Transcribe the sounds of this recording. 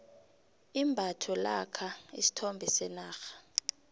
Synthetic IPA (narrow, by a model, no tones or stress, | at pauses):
imbʱatʰɔla̰kʰaḭsi̥tʰɔmbʱɛsɛnaːxḁ